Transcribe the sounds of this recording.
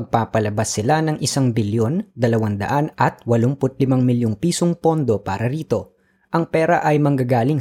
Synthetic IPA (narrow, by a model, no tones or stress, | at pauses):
ɡ̚paːpɐlɐbasːɪlanɐŋʔɪsaŋbɪljo̞nd̪ɐlɐwand̪ɐ̰ʔanʔɐt̪̚wɐlompʊt̪̚lɪmaŋmɪljoŋpiːsoŋpo̞nd̪o̞paːɾɐɾiːt̪o̞ | ʔɐŋpɛːɾɐʔɐjmɐŋɡaɡaːlɪŋ